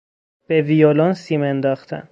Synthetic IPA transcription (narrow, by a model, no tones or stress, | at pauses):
b̥evijolɒnsiːmend̪ɒːxt̪ʰæ̰m